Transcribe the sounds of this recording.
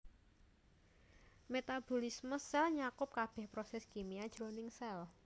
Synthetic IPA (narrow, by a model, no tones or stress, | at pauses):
met̪ab̥olisməsɛlɲakʊp̚kab̥ɛ̤hpɾosɛskimiad̥ʒ̥ɾonɪŋsɛl